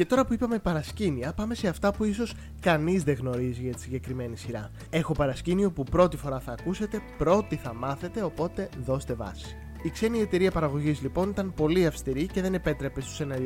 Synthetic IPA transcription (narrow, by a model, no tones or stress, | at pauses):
ce̞t̪o̞ɾɐpuipɐme̞pɐɾɐsciniɐpɐme̞se̞ɐft̪ɐpuiso̞s | kɐnizðe̞ɣno̞ɾiziʝɐt̪i̥siɲɟe̞kɾime̞nisiɾɐ̰ | e̞xo̞pɐɾɐscinio̞pupɾo̞t̪ifo̞ɾɐθɐːkuse̞t̪e̞pɾo̞t̪iθɐmɐθe̞t̪e̞o̞po̞t̪e̞ðo̞st̪e̞vɐ̰si̥ | ikse̞nie̞t̪e̞ɾiɐpɐɾɐɣo̞ʝizlipo̞nit̪ɐnpo̞liɐfst̪iɾice̞ðe̞ne̞pe̞t̪ɾe̞pe̞st̪u̥senɐɾ